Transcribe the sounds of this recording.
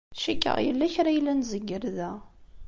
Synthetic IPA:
ʃækːə̰ʁjə̰lːæçɾajlːænzəɡːəɾðæ

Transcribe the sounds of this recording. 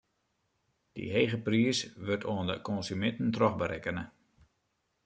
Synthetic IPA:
d̥ḭɦejɣəpriəsʋørtʰoəndə̰kɔnsymɛntən̩trɔxbəɾʔɛkənə

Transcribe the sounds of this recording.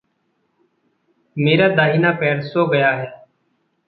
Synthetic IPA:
meːɾaːd̪aːɦiːnaːpɛːɽsoːɡəjaːɦɛː

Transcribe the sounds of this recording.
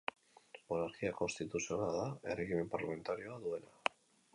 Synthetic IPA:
o̞naɾkiako̞nst̪it̪usio̞naðae̞reɣime̞mpaɾlame̞nt̪aɾio̞aðue̞la

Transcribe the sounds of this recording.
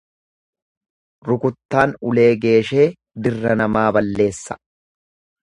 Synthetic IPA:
ɾʊkʊt̪ːaːnʊle̞ːɡe̞ːʃe̞ː | d̪ɪrːɐnɐmaːbɐlːe̞ːsːɐ̥

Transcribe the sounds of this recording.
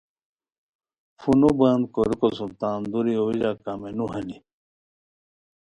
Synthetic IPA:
funobãːnd̪koɾikosult̪aːnd̪uɾiowid͡ʑakamenuɦɐni

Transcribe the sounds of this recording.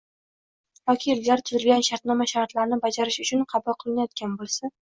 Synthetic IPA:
vakʲʰilːaɾt̪ʰʊzɪlɡʲanʃaɾt̪nɒmaʃaɾt̪laɾnɪbad͡ʒaɾɪʃʊt͡ʃʰʊnqʰɑbʊlˠqʰɨlˠɪnajɒt̪̚kʲanbolˠsa

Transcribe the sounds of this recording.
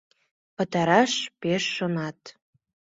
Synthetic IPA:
pə̆t̪ɑɾɑʃpeʃːonɑt̪

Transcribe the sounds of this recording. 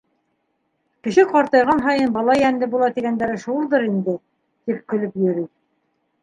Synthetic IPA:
kɘ̆ʃɘqɑɾt̪ɤ̆jʁɑnɦɑjɤnbɑlˠɑjænd̪ɘbulˠɑt̪iɡænd̪æɾɘʃulˠd̪ɤɾind̪ɘ | t̪ip̚kɵ̆lɵpjɵ̆ɾi

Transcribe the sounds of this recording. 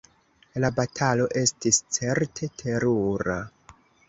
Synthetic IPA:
labatʰalo̞ʔe̞stist͡se̞ɾtʰe̞tʰe̞ɾuɾa

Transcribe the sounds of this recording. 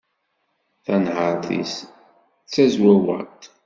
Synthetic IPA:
θænʕəɾˤθḭs | t͡sːæzwæwə̰t̪

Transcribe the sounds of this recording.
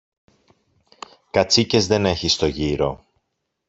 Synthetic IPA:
kɐt͡sice̞zðe̞ne̞çist̪o̞ʝiɾo̞

